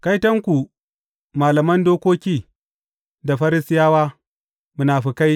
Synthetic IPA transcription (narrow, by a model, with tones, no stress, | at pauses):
ka˦jtɐ˦ŋkʷu˨ | maː˨lɐ˨mɐ˦ndoː˦kʷoː˦kʲiː˦ | da˨ɸɐ˦ɾɪ˦sɪ˦jaː˦waː˦ | mu˨naː˨ɸi˨ka˦j